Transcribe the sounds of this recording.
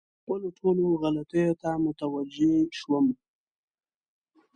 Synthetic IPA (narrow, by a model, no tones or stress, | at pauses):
xpəloʈʰoloɣalat̪əjot̪amʊt̪awad͡ʒeʃwəm